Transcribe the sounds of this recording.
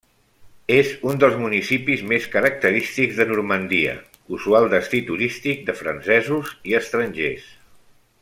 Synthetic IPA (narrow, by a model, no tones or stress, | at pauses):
ezund̪əlˠzmunisipizmeskəɾək̚t̪əɾist̪iɡzðənuɾmənd̪iə̰ | uzualˠd̪əst̪it̪uɾist̪ik̚d̪əfɾənsɛzuziəst̪ɾənʲʒes